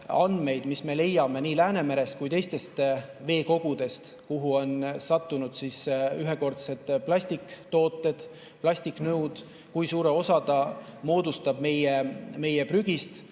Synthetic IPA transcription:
ɑnd̪me̞jd̪misme̞le̞jɑme̞niːlæːne̞meɾe̞st̪kujt̪e̞jst̪e̞st̪ve̞ːko̞ɡ̥ud̪̥e̞st̪ | kuɦuo̞nsɑt̪ːunud̪̥siːsyɦeko̞rt̪se̞t̪ːˑplɑsʲt̪ikˑt̪o̞ːt̪ːˑe̞d̪̥ | plɑsʲt̪iknɤwd̪̥ | kujsuːɾe̞o̞sɑt̪ɑmo̞ːd̪ust̪ɑb̥̚me̞jeme̞jepryɡ̥ist̪

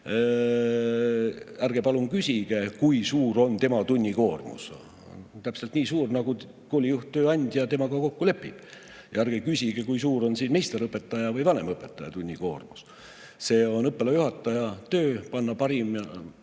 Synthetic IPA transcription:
ærɡ̥epɑlunkysʲiɡ̥e̞kujsuːɾo̞nt̪e̞mɑt̪unʲːiko̞ːrmṵs | t̪æpselt̪niːsuːrnɑɡu | ko̞ːlʲijuht̪ːøːɑnʲd̪̥jɑt̪e̞mɑɡɑkokːule̞pːˑḭb̥ | jɑæɾɡ̥ekysʲiɡ̥e̞kujsuːɾo̞nsiːnme̞jst̪e̞ɾɤpːˑe̞t̪ːˑɑjɑvɯjvɑne̞mɤpːˑe̞t̪ːˑɑjɑ̰t̪unʲːiko̞̰ːrmus | se̞ːo̞nɤpːˑelɑjuhɑt̪ːˑɑjɑt̪øːpɑnːɑpɑɾimjɑ

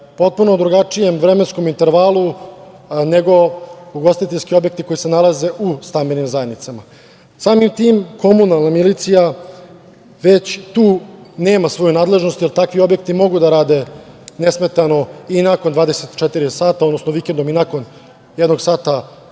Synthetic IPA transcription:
po̞t̪̚punod̪ɾuɡat͡ʂijemʋɾeme̞nsko̞mint̪e̞ɾʋaːlˠu | neɡo̞uɡost̪it̪eʎskio̞bje̞k̚t̪ikoise̞nalaze̞ʔust̪ambenimzajed̪nit̪sama | saːmimt̪iːmkʰo̞munalˠnamilit̪sija | ʋet͡ɕt̪uːne̞ːmasʋo̞junaːd̪le̞ʒnost̪jelt̪akʋio̞bjek̚t̪imo̞ɡud̪aɾaːd̪e̞nesme̞t̪ano̞inakond̪ʋaːd̪e̞set̪t͡ʃet̪iɾisaːt̪ao̞d̪nosnoʋikend̪o̞minako̞n | jed̪noɡsaːt̪a

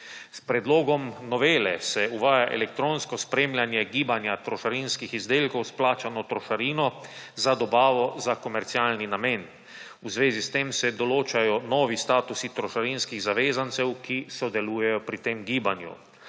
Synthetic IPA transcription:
spɾɛd̪loːɡɔmnɔʋeːlɛsɛuʋaːjaʔɛ̰lɛk̚t̪ɾoːnskɔspɾeːmljanjɛɡiːbanjat̪ɾɔʃaɾinskixizd̪eːlkɔwsplaːt͡ʃanɔt̪ɾɔʃaɾiːnɔzad̪ɔbaːʋɔzakɔmɛɾt̪siaːlninameːn | uzʋeːzist̪eːmsɛd̪ɔloːt͡ʃajɔnɔːʋist̪aːt̪usit̪ɾɔʃaɾinskiɣzaʋeːzant̪sɛwkisɔd̪ɛluːjɛjɔpɾit̪eːmɡiːbanjṵ

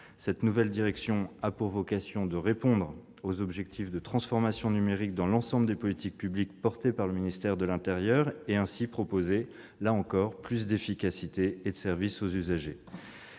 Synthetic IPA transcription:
sɛt̪nuvɛld̪iʁɛksjɔ̃apuʁvɔkasjɔ̃d̪əʁepɔ̃d̪ʁ | ozɔbʒɛk̚t̪ʰifd̪ət̪χɑ̃sfɔʁmasjɔ̃nymeʁik̚d̪ɑ̃lɑ̃sɑ̃bləd̪epɔlit̪ik̚pyblikpɔʁt̪epaʁləminist̪ɛʁd̪əlɛ̃t̪ɛʁjœʁeɛ̃sipχɔpoze | laɑ̃kɔʁplys̬d̪efikasit̪eːd̪əsɛʁvisozyzaʒe

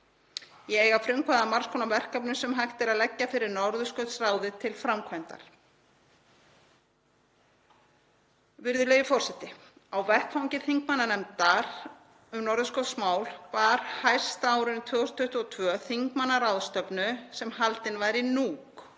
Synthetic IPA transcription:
jɛeːjɣafɾʏmkʰvaðamaɾ̥skʰɔnavɛr̥kapnʏsɛmɦajht̪ɪɾaðlɛcːafɪɾɪɾnɔɾðʏskœt̪sraːwðɪt̪ʰɪlfɾamkʰvajnt̪a̰ɾ̥ | vɪɾðʏleːjʏfɔr̥sɛht̪ɪ | awvɛrhkfawɲcɪθiŋkmanːanɛmt̪aɾ | ʏmnɔɾðʏskɔt̪smaːwlpaːɾ̥hajr̥st̪aːwɾʏnt̪ʰœːɣɔst̪ʰʏht̪ɔt̪ʰvœːθiŋkmanːaɾaːwðst̪œpnʏsɛmɦalt̪ɪnvajɾinuːk

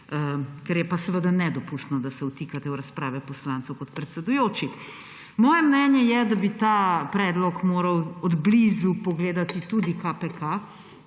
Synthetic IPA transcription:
əkɛɾjɛpasɛʋəd̪anɛd̪ɔpust̪nɔd̪asɛut̪iːkat̪ɛwɾɐspɾaːʋɛpɔslaːnt̪sɛwkɔt̪pɾɛt̪sɛd̪ujoːt͡ʃi | mɔːjɛmnɛːnjɛjɛd̪abit̪apɾɛd̪lɔkmoːɾɐwɔd̪blizupɔɡleːd̪at̪it̪ud̪ikapɛka

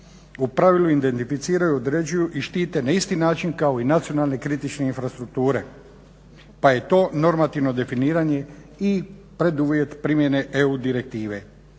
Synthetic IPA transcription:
upɾaʋiluind̪e̞nt̪ifit̪siːɾajuod̪ɾeːd͡ʒujuʔiʃt̪iːt̪e̞naist̪inaːt͡ʃinkao̞inat̪sio̞nalne̞kɾit̪it͡ʃne̞infɾast̪ɾuk̚t̪uːɾe̞ | paje̞t̪o̞ːno̞ɾmat̪iʋno̞d̪e̞finiːɾaɲe̞ | ipɾed̪uʋje̞t̪pɾimje̞ne̞ʔeud̪iɾek̚t̪iːʋe̞

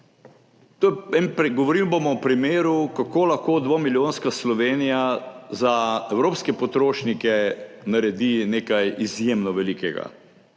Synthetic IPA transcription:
t̪oːjɛɛnɾɡɔʋɔɾilbomɔpɾimeːɾukakoːlɐxkod̪ʋomiljoːnskaslɔʋeːnijazaɛwɾoːpskɛpɔt̪ɾoːʃnikɛ | naɾɛd̪ineːkajizjemnɔʋɛlikɛɡa̰

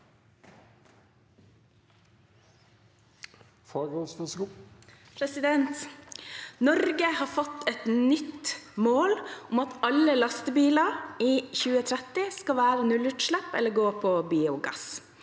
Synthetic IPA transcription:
fɔɾɔsfs | pʰɾɛsɪd̪ɛnt̪ | nɔɾɡəhɑːfɔt̪ːɛt̪nʏt̪moːlʊmɑt̪ɑlːəlɑst̪əbiːlɑɾiːçʉːət̪ʰɾɛt̪ɪskɑʋæːɾənʉlʉʈ̪ʃɭæpɛlːəɡoːpʰɔbiːʊɡɑ̰s

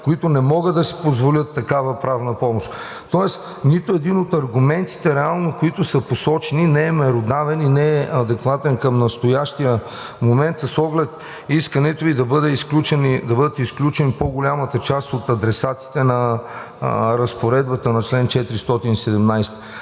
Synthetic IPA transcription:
koit̪ʊnɛmɔɡəd̪ɐsi̥pozvolʲət̪ːɐkavəpɾavnəpɔmoʃt̪ | t̪ɔɛs | nit̪oɛd̪inot̪ɐɾɡʊmɛnt̪i̥t̪ɛɾɛalˠnokoit̪ʊsəposɔt͡ʃɛninɛɛmɛɾod̪avɛninɛɛɐd̪ɛkvat̪ɛnkəmnɐst̪ojaʃt̪ijə | momɛnt̪sɐsɔɡlɛt̪ | iskɐnɛt̪oid̪ɐbəd̪ɛisklʲut͡ʃɛnid̪ɐbɤd̪ət̪isklʲut͡ʃɛnipoɡʊlʲamət̪ət͡ʃast̪ot̪ɐd̪ɾɛsat̪i̥t̪ɛnɐ | ɾɐspoɾɛd̪̚bət̪ənɐt͡ʃlɛnt͡ʃɛt̪ɾist̪ɔt̪inisɛd̪ɛmnajst̪ə̥

